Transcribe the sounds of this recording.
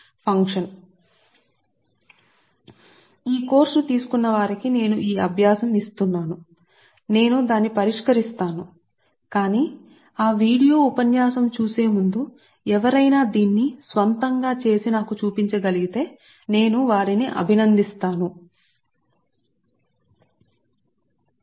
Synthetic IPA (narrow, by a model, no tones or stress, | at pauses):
pʰɐŋkʂɐn | iːko̞ːɾsut̪iːsu̥kunːɐʋaːɾikine̞ːnuʔiːɐbʱjaːsɐmist̪unːaːnu | ne̞ːnud̪aːnːipɐɾiʂkɐɾist̪aːnu | kaːniː | aːʋiːɽijo̞ːupɐnjaːsɐmt͡ʃuːse̞ːmund̪u | ɛʋɐɾɐjnaːd̪iːnːisʋɐnt̪ɐŋɡaːt͡ʃe̞ːsinaːkut͡ʃuːpiɲt͡ʃɐɡɐliɡit̪e̞ː | ne̞ːnuʋaːɾiniʔɐ̰bʱinɐnd̪ist̪aːnu